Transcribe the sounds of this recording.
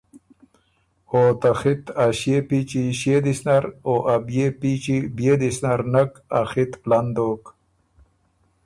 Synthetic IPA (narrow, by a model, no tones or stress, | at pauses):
ot̪axit̪aɕjepit͡ʃiɕed̪isnaɾoʔabjepit͡ʃibjed̪isnaɾnaka̰xit̪land̪oːk